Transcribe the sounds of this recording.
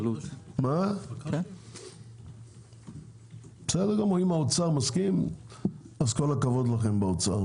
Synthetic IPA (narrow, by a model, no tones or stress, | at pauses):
lutma | be̥sedd̪eʁɡamʁoimaot͡saʁmaskim | azko̞lakavo̞d̪laχe̞mbeot͡sa̰ʁ